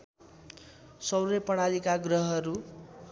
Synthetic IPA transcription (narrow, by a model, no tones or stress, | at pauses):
sʌwɾʌpʌɽ̃aɾikaɡrʌɦʌɾu